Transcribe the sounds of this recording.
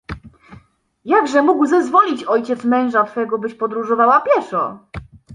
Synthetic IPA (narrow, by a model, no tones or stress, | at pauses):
jaɡʐɛmuɡwzɛzvɔlʲit͡ɕɔjt͡ɕɛt̪smɛ̃w̃ʐat̪fɛɡɔbɘɕpɔd̪ɾuʐɔvawapʲjɛʂɔ